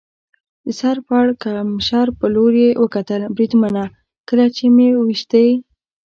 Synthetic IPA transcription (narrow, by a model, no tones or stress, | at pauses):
d̪əsɑɾpaɽkamʃɑɾpəloɾjewəkat̪əlbɾid̪mana | kəlat͡ʃemewəwiʃt̪əj